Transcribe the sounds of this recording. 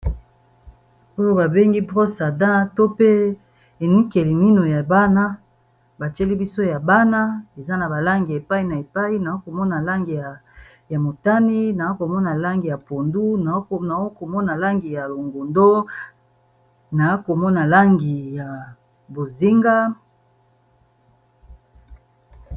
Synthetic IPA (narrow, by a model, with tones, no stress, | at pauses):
o˦jo˦ba˨be˦ŋɡi˦bʁo˦sa˨dã˦to˦pe˦ | e˨nu˦ke˨li˨mi˦no˨ja˨ba˦na˦ | ba˨t͡ʃe˦li˦bi˦so˦ja˨ba˦na˦e˨za˦na˨ba˨la˦ŋɡi˨e˨pa˦i˨na˨e˨pa˦i˦na˨o˦ko˨mɔ˦na˨la˦ŋɡi˨a˨ | ja˨mo˨ta˦ni˦na˨o˦ko˨mɔ˦na˨la˦ŋɡi˨ja˨po˨ndu˦na˨˦˨na˨o˦ko˨mɔ˦na˨la˦ŋɡi˨ja˨lo˨ŋɡo˨ndo˦ | na˨a˦ko˨mɔ˦na˨la˦ŋɡi˨ja˨ | bo˨zi˦ŋɡa˦